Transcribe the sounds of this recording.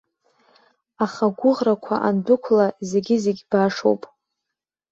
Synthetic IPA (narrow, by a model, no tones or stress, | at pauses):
aχaɡʷʊʁrakʷʰa̰ʔandʊkʷʰlaze̞ɡʲɪzeɡʲbaʂo̰wpʼ